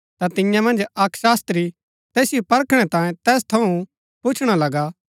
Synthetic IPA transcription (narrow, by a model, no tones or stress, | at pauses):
t̪at̪ɪ̃jãmɐ̃nd͡ʒɐkʃaːst̪ɾi | t̪ɛːsɪjopɐɾkʰɽ̃ɛt̪ãːjẽt̪ɛːs̬t̪ʰɐũ | pʊt͡ʃʰɽ̃alɐɡa